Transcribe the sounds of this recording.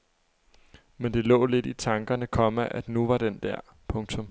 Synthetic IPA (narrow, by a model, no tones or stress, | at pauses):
mend̥e̝lɔ̰̽ːle̝d̥it͡sʰɑ̈ŋɡ̥ɐnəkʰɒ̽mæʔæd̥nuʋɑ̈d̥end̥æɐ̰ | pʰɔ̽ŋt͡sʰɔ̽m